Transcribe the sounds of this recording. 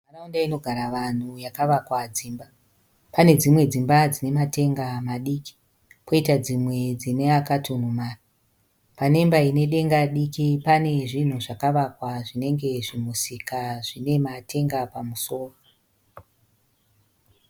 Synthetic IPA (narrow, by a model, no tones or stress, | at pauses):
araundaino̞ɡʱaɾaʋan̤ujakaʋakwad͡ziːmba | pane̞d͡zimwe̞d͡zimbad͡zine̞matʰe̞ŋɡamaɗiːki̥ | ko̞itad͡zimwe̞d͡zine̞akatʰun̤umaːri | pane̞mbaine̞ɗe̞ŋɡaɗikipane̞ʐin̤uʐakaʋakwaʐine̞ŋɡe̞ʐimusikaʐine̞matʰe̞ŋɡapamuso̞ːra